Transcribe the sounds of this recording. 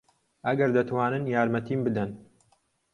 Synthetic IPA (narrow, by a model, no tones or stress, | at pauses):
ʔɐɡɐɾd̪ɐt̪waːnɨnjaːɾmɐt̪iːmbɨd̪ɐn